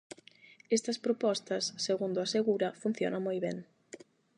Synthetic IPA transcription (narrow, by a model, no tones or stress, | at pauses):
ɛst̪ɐspɾopɔst̪ɐsːeɣund̪ʊaseɣuɾɐfun̟θjo̰nɐŋmojβɛŋ